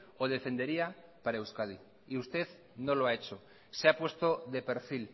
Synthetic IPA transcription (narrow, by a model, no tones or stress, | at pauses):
oð̞efend̪eɾiapaɾaewskað̞i | iust̪eð | nõloaet͡ʃo | seapwest̪oðepeɾfil